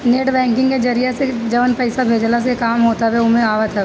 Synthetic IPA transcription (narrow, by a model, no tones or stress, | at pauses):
neːʈbɛ̃ːŋkɪ̃ŋɡked͡ʒɐɾijased͡ʒɐʋənpɛɪsabʱeːd͡ʒlas̬ekaːmɦoːt̪abeʊmẽaːʋət̪ʰɛ